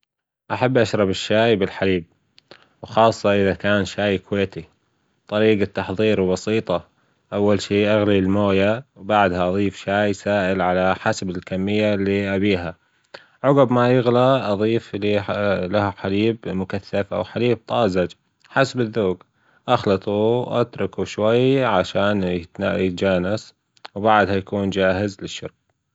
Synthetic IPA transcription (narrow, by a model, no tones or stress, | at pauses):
ʔaħabːʔaʃɾˤɑbɪʃːaːjbɪlħaliːb̚ | wxɑːsˤːɑʔɪðakaːnʃaːjkweːt̪i | t̪ˤɑɾiːɡat̪ːɑħðˤiːɾwbɑsiːt̪ˤɑ | ʔawːalʃiːʔaɣlilmoːjawbaʕd̪haʔɑðˤiːfʃaːjsaːʔɪlʕalaħasabɪlkamːɪjːalːiʔabiːɦa | ʕɑɣʊbmajɪɣlaʔɑðˤiːflilahħaliːbmʊkaθːafʔa̰wħaliːb̚t̪ˤɑːzad͡ʒ | ħasabɪðːoːɡ | ʔaxlɑt̪ˤuʔa̰t̪ɾˤʊkuʃwajʕaʃaːnɪt̪naːʔḭd͡ʒaːnas | wbaʕd̪hajakuːnd͡ʒaːɦɪzlɪʃːʊ̰ɾk̚